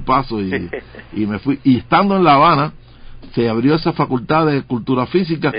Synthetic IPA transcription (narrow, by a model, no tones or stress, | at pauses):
lpasoiime̞fwiʔie̞st̪and̪oẽ̞nlaβana | se̞aβɾjo̞e̞safakult̪aðe̞kult̪uɾafis̬ika